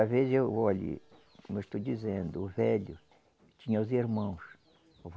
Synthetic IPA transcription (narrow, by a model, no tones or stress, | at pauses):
ɐvezewvoalḭ | kõmewʃt̪owd͡ʒizẽnd̪ʊːvɛlʊ | t͡ʃĩɲɐʊziɾmɐ̃w̃s | ʊv